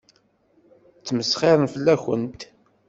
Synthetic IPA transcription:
t͡sːməsχɪɾˤənfəlːæçə̰nt̪

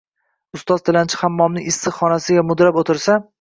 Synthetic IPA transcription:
ʊst̪ɒz̥t̪ʰɪlant͡ʃʰɪ̥hamːɒmnɪʔɪsːɨχɒnasɪɡʲamʊd̪ɾapot̪ʰɪɾsa

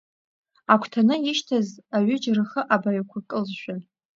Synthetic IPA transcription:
akʷʰtʰanɨjɪʃtʰazaɥʏd͡ʒrɨχəʔabaɥkʷʰakʼɨlzʃʷᶣan

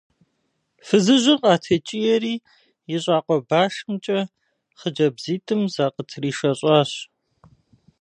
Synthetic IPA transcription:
fɨzɨʑʷɪrqʼɑːtʰɐt͡ʃʼijɛɾiː | jɪɕʼɑːqʷʼɔbaːʂmt͡ʃʼɐ | χəd͡ʒɐbziːtʰʼɨmzaːqətʰriːʃɐɕʼɑːɕ

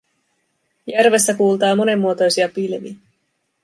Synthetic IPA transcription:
jærʋe̞sːækuːlt̪ɑːmo̞ne̞mːuot̪o̞jsiɑpilʋḭ

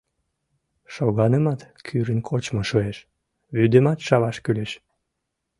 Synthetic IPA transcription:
ʃoɣɑnəmɑt̪kʰyɾənkʰot͡ɕmoʃueʃ | βyd̪emɑt̪ʃɑβɑʃkyleʃ

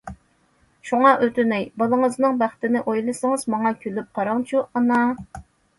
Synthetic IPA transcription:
ʃuŋɑʔøt̪ynɛjbɑlˠəŋəznɨŋbæχt̪ɪnɪʔojlˠɨsɨŋɨzmɑŋɑkʲʰølyp̚qʰɑɾɑŋt͡ʃʰuʔɑnɑ

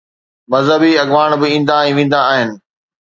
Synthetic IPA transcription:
mɐzɦəbiɐɡʋaːɽ̃bɪĩːn̆d̪ãɛ̃ːʋẽːn̆d̪ãːɦɪnɪ̆

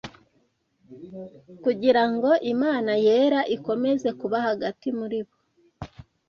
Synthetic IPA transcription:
kuɟiɾaŋɡo̞ʔimaːnajeːɾaʔiko̞me̞ze̞kuβahaɡatimuɾiβo

